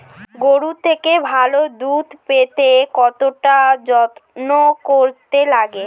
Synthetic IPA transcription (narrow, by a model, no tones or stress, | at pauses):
ɡoɽut̪ʰekebʱalod̪ud̪ʱpet̪ekɔt̪oʈad͡ʑɔt̪nokoɾt̪elaɡe